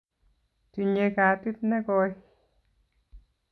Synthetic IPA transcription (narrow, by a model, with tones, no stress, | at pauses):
ti˨ɲe˧ka˨˦ti˦tnɛ˦kɔ˧j